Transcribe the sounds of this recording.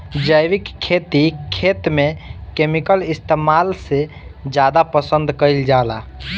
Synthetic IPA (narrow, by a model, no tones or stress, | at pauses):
d͡ʒəjʋikʰːet̪ikʰːet̪mekemikəlist̪emalse | d͡ʒad̪apəsə̃nd̪kəjld͡ʒala